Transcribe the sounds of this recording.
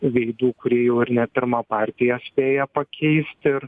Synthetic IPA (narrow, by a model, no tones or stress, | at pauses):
ʋʲɛɪd̪uːkʊɾʲiːjɛʊɪɾnʲɛpʲɪɾmɑpɑːɾʲt̪ʲɪjɛsʲpʲeːjɛpɐkʲʰɛɪsʲt̪ʲɪɾ